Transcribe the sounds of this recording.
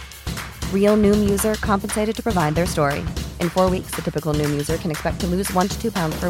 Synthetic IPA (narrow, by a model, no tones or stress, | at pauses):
ɹil̩ˠnʉ̃mjʉzə˞kʰɑ̃mpn̩seɪɾɨd̚tʰɨpʰɹ̥ɨvaɪd̪̚ðə˞stɔɹḭʔɨ̃nfɔɹwiksðɨtʰɪpɨkl̩ˠnʉ̃mjʉzə˞kʰɨ̃nɨkspɛk̚tʰɨlʉzwʌ̃ntʰɨ̥tʰʉpʰãʊ̃ndz̥fə˞